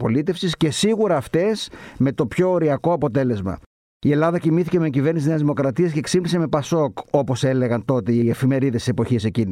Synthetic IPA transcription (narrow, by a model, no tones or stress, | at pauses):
po̞lit̪e̞fsisce̞siɣuɾɐːft̪e̞sme̞t̪o̞pço̞ːɾiɐko̞ɐpo̞t̪e̞le̞zmɐ̰ | ie̞lɐðɐcimiθice̞meːɲɟive̞ɾnisizneɐzðimo̞kɾɐt̪iɐsce̞ksibliseme̞pɐso̞ko̞po̞se̞le̞ɣɐnt̪o̞t̪eie̞fime̞ɾiðest̪spo̞çise̞cin